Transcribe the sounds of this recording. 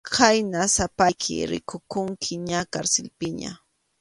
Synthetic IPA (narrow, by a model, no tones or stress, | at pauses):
kʰajnasapajkʰɪ̰ɾɪ̰kʊkʊŋkʰɪɲakaɾsɪlpɪɲa̰